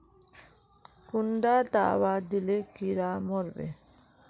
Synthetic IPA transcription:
kundat̪a̰ːwad̪ilekiɾamɔɾbḛ

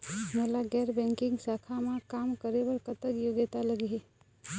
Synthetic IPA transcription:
melaɡɛɾbɛ̃ŋkiŋɡsakʰamekamkəɾebəɾkət̪əkjoɡet̪aləɡiɦe

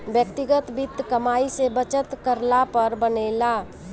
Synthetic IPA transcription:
bjək̚t̪ɪɡət̪bɪt̪ːkəmaːisebət͡ʃət̪kəɾlapəɾbəneːla

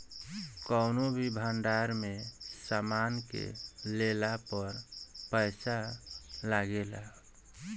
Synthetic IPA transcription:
kəʊnobʱibʱəɳɖaɾmesamankḛlelapəɾpəɪsalaɡela̰

